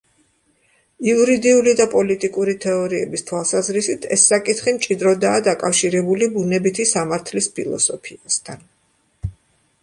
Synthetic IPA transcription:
iuɾid̪iulid̪apʼɔlit̪ʼikʼuɾit̪ʰɛɔɾiɛbist̪ʰwalˠsazɾisit̪ʰɛ̰sːakʼit̪χimt͡ʃʼid̪ɾɔd̪aːd̪akʼafʃiɾɛbulibunɛbit̪ʰisamaɾt̪ʰlispʰḭlˠɔ̰sɔpʰiast̪ʰan

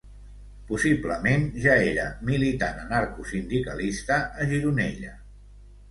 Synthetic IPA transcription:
pusibləmenʒaeɾə̰milit̪a̰nənaɾkusind̪ikə̰list̪əʔːʒiɾunɛ̰ʎə

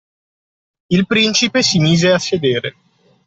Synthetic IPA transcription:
ilpɾint͡ʃipesimiːzeasːed̪eːɾe

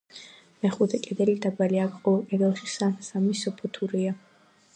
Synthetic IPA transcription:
mɛχut̪ʰɛkʼɛd̪ɛlid̪abaliakʰqʼɔvɛlˠkʼɛd̪ɛlˠʃisasamisɔpʰɔt̪ʰuɾia

